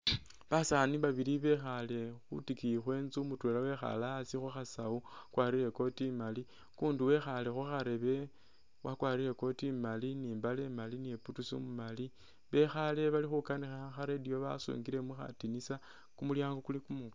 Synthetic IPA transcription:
βasaniβaβiliβe̞xale̞xṵtikixwe̞ːnzumutwelawe̞xa̰lasixuxasaukwaːɾiɾe̞ko̞timali | kuːnduwe̞xale̞xuxaɾe̞βe | wakwaːɾile̞ko̞timaliniːmbalemalineputusḭmumali | βe̞xale̞βalixukanixaxaɾe̞dijoβa̰sṵːŋɡiɾe̞muxa̰tinisa | kumuljaːŋɡokulikumu

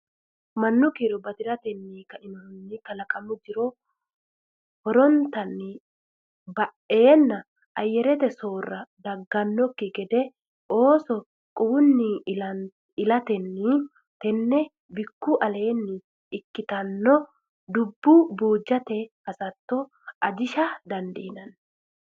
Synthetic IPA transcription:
mɐnːʊkiɾɔbɐd̪ɪɾɐt̪ɛnːiːkɐʔɪnɔnːɪkɐlɐkʼɐmʊd͡ʒ̪ɪɾɔ | hɔɾɔnt̪ːɐnːɪ | bɐʔe̞ːnːɐ | ʔɐjːɛɾɛt̪ɛso̞ːrːɐd̪ɐɡːɐnːɔkːɪɡɛd̪ɛ | ʔo̞ːsɔ | kʼuwʊnːɪ | ɪlɐt̪ɛnːɪ | t̪ɛnːɛ | bɪkːʊʔɐle̞ːnːɪ | ɪkːɪt̪ɐnːɔ | d̪ʊbːʊbuːd͡ʒːɐt̪ɛhɐsɐt̪ːɔ | ʔɐd͡ʒɪʃɐd̪ɐnd̪iːnɐn

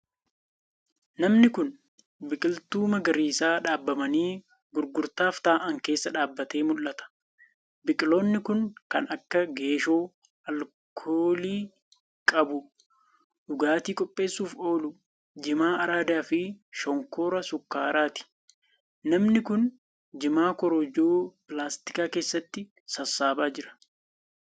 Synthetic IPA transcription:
nɐmnɪkʊn | bɪkʼɪlt̪uːmɐɡɐɾiːsaːᶑaːbːɐmɐniː | ɡʊɾɡʊɾt̪aːft̪aːʔɐŋke̞ːsːɐᶑaːbːɐt̪e̞ːmʊlːɐt̪ɐ̥ | bɪkʼɪlo̞ːnːɪkʊnkɐ̰nɐkːɐɡe̞ːʃoː | ɐl | kʰoːliː | kʼɐbʊ | ᶑʊɡaːt̪iːkʼɔpʼːe̞ːsːuːfo̞ːlʊ | d͡ʒɪmaːʔɐɾaːd̪aːfɪʃɔŋkoːɾɐsʊkːaːɾaːt̪ɪ̥ | nɐmnɪkʊn | d͡ʒɪmaːkɔɾɔd͡ʒoːpɪlaːst̪ɪ̥kaːke̞ːsːɐt̪ːɪ | sɐsːaːbaːd͡ʒɪɾɐ̥

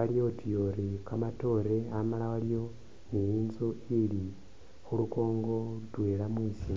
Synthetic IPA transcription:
aljo̞tʰijoɾikamato̞ɾe̞amalawaljo̞ | nijiːnzoili | xuluko̞ːŋɡo̞twe̞ːɾamwiːsi

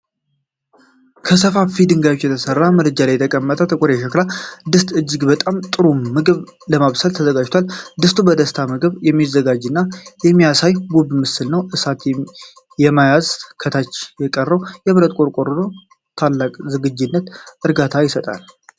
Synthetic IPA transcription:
kʰəsəfafid̪ɨŋɡajot͡ʃːjɛt̪ʰəsərːaməɾɨd͡ʒalajɛt̪ʰəkʼəmːət̪ʼət̪ʰʼəkʷʼuɾɛʃəklad̪ɨst̪ʼɨd͡ʒːɪɡbət̪ʼamt̪ʼɨɾumɨɡɨβ | ləmaβsəlt̪ʰəzəɡad͡ʒt̪ʰwald̪ɨst̪ʰʼubəd̪əst̪ʰamɨɡɨβjɛmːizːəɡad͡ʒɨnːajɛmːijasajɡubmɨsɨlnəwʔɨsat̪ | jɛmajazkʰət̪ʰat͡ʃːjɛkʼərːəwjɛβɾət̪ʼkʼoɾkʼoɾɨɾo̞ | t̪ʰalːakʼzɨɡɨd͡ʒːɪnːət̪ʔɨɾɡat̪ʰajɪsət̪ʼa̰l

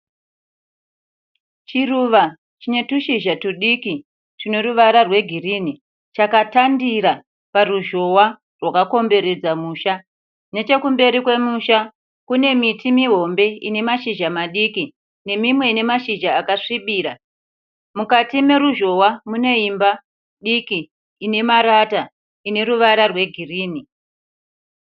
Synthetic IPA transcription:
t͡ʃiruːʋa | t͡ʃine̞tuʃiʒatuɗiki | tine̞ruʋaɾarwe̞ɡʱirini | t͡ʃakatandiɾa | paruʒo̞wa | rwakako̞mbe̞ɾe̞d͡zamuːʃa | ne̞t͡ʃe̞kumbe̞ɾikwe̞muʃa | kune̞mitimiɦo̞mbe̞ine̞maʃiʒamaɗiki | ne̞mimwe̞ine̞maʃiʒaːkaʂiɓiːɾa | mukatime̞ɾuʒo̞wamune̞imba | ɗikiː | ne̞maɾata | ine̞ɾuʋaɾarwe̞ɡʱiriːni

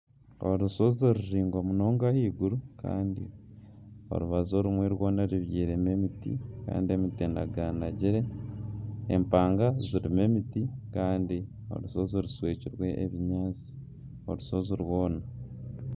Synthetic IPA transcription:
o̰ɾuso̞zoɾuʃiːŋɡomuno̞ːŋɡahiːɡuɾuka̰ːndḭ | o̰ɾuβazo̞ɾumweɾwo̞ːnaɾiβjiːɾe̞me̞mitḭka̰ːndie̞miteːnda̰ɡanaɟiɾe̞ | ḛmpaːŋɡaziɾime̞mitikaːndi | o̞̰ɾuso̞zoɾuswe̞ːciɾwe̞ʔeβiɲaːt͡si̥ | oɾuso̞ziɾwo̞ːna

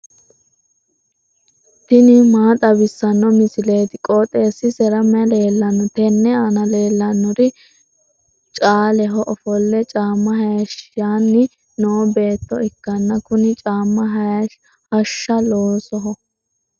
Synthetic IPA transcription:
t̪ɪnɪmaːt̪ʼɐbɪsːɐnːɔmɪsɪle̞ːt̪ɪkʼɔːt̪ʼe̞ːsːɪsɛɾɐmɛɐle̞ːlːɐnːɔt̪ɛnːɛanɐle̞ːlːɐnːɔɾɪ | t͡ʃʼaːlɛɦɔʔɔfɔlːɛt͡ʃʼaːmːɐɦɐjɐʃaːnːɪ | noːbe̞ːt̪ːɔɪkːɐnːɐkʊnɪt͡ʃʼaːmːɐ | hɐʃːɐloːsɔɦɔ

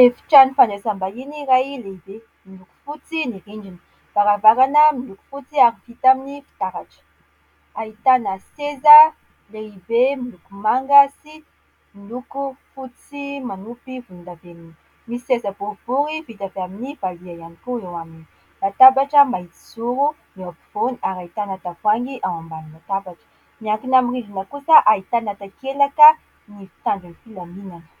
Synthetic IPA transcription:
efi̥ʈ͡ʂanifanɖ͡ʐesambainiɾajleibe | miluku̥fut͡siniɾiɳɖ͡ʐini̥ | v̥aɾavaɾanəmiluku̥fut͡siaɾiv̥it̪aminifi̥t̪aɾaʈ͡ʂə̥ | ait̪anaseza | leibemilukumaŋɡasi | milukufut͡simanupivund̪avenini | misi̥sezəb̥ov̥uɾivit̪aveaminiv̥aliajanikuewamini | mat̪abaʈ͡ʂəmaɦit̪i̥suɾu | napiv̥oniaɾait̪anat̪afaŋɡiʔawambanimat̪abaʈ͡ʂə̥ | miaŋkinamirivinəkusəʔait̪anat̪akelakə | nifi̥t̪aɳɖ͡ʐanifilaminanə̥

